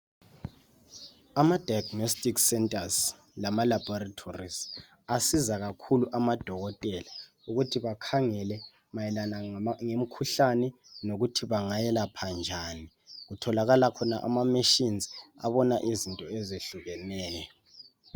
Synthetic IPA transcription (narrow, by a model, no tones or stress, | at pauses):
amad̥ʱajaɡnɔstʼiksɛntʼaz | lamalab̥ɔratʰoriz | asizaɣakʰuluʔamad̥ʱɔɣɔtʼɛla | uɣutʰiβakʰaŋɛlɛ | majɛlanaŋem̩kʰuɬanɛ | noɣutʰiβaŋajɛlapʰand͡ʒʱaːni | ɣutʰɔlaɣalakʰɔna̰ʔa̰mamiʃinzia̰βɔnaʔizintʼɔɛzeɬuɣɛnɛːjɔ